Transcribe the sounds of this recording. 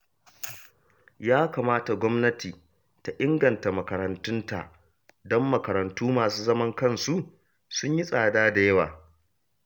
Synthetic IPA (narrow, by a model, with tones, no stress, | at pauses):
jaː˦kaː˨maː˦ta˨ɡʷɔ˦mnɐ˦tiː˨ | ta˨ʔɪ˦ŋɡɐ˨nta˨mɐ˨kɐ˨ɾɐ˨ntʊ˦nta̰˨ʔ | dɔ˦mːɐ˨kɐ˨ɾɐ˨ntuː˦maː˨suː˦zɐ˦mɐ˦ŋkɐ˦˨nsu˦ʔ | sʊ˦ɲji˦sʼaː˨daː˦da˨jɐ˦waː˨